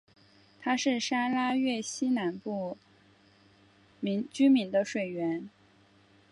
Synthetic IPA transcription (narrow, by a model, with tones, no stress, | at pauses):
t̪ʰa˥ʂɻ̩˥˩ʂa˥la˥ɥɛ˥˩ɕi˥na˧˥npu˥˩ | mi˧˥ŋt͡ɕy˥mi˧˥ŋd̪ə˧ʂwe˨˩ɪɥɛ˧˥n